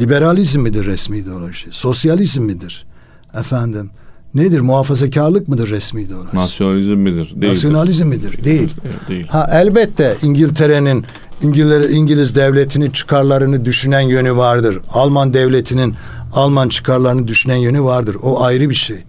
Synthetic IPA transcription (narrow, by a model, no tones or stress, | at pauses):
lʲibeɾalʲizmːid̪iɾːɛsmiːd̪iolˠabiʃeso̞sjalʲizmːid̪iɾ̥ | ɛfænd̪im | ned̪iɾmuɦaːfazacʰaɾlˠɯk̚mɯd̪ɯɾːɛsmiːd̪iolˠansjonalʲizmːid̪iɾnasjo̞nalʲizmːid̪iɾd̪ejilʲhaʔælʲbɛt̪ʰːɛʔiɲɟilʲt̪ʰe̞ɾenin | iɲiɲɟilʲizd̪ɛvlʲet̪ʰinit͡ʃʰɯ̥kʰaɾlˠaɾɯnɯd̪yʃynænjø̞nyvaɾd̪ɯɾalˠmand̪ɛvlʲet̪ʰinin | alˠmant͡ʃʰɯ̥kʰaɾlˠaɾɯnɯd̪yʃynænjønyvaɾd̪ɯɾo̞ʔajɾɯbiʃej